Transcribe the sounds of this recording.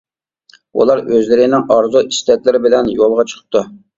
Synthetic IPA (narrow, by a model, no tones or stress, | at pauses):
ṵlˠɑɾøzlɪɾɪnɪŋɑɾzuʔiʃt̪ʰɛt̪ʲlɪɾɪbɪlɛnjolˠʁɑt͡ʃʰə̥qʰə̥p̚t̪ʰːu